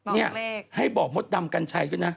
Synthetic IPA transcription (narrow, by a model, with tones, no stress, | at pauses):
nɛ˧˥˩əha˧˥˩jɓɔː˨˩mo˦˥t̪̚ɗa˧mka˧nt͡ɕʰa˧jkɯ˧˥na˧˥